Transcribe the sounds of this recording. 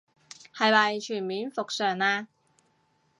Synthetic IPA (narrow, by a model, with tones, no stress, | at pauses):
hɐ˨˧jmɐ˨˩jt͡ʃʰyː˨˩nmiː˨˥nfo˨k̚sœː˨˩ŋaː˧